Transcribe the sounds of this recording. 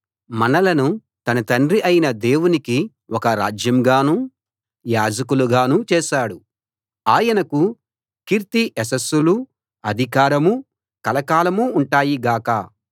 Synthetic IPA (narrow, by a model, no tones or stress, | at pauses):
mɐnɐlɐnu | t̪ɐnɐt̪ɐɳɖriʔɐjinɐd̪eːwuniki | wɔkɐɾa̰ːd͡ʒjɐmɡaːnuː | jaːd͡ʒɐkuluɡaːnuːt͡ʃɛːʃaːɽu | aːjɐnɐku | kiɾt̪iʔɛsɐsːulu | ɐd̪ʱikaːɾɐmu | kɐlɐkaːlɐmuːɳʈaːjiɡaːkɐ̰